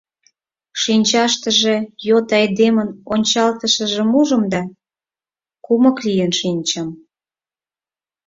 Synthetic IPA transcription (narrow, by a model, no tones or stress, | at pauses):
ʃinʲt͡ɕɑʃt̪əʒejot̪ɑjd̪emənonʲt͡ɕɑlt̪əʃə̆ʒə̆muʒə̆md̪ɑ | kumə̆klijənʃinʲt͡ɕəm